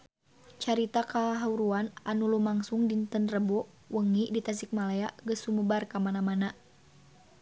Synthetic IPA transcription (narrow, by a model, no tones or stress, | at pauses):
t͡ʃaɾit̪akaɦauɾuananulumaŋsuŋdint̪ənrəbɔʔ | wəŋidit̪as̬ik̚malaaɡəsuməbarkamanamana